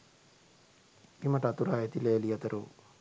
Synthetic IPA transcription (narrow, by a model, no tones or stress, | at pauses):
imɐʈat̪uɾaːjɐt̪ilelijɐt̪ɐɾu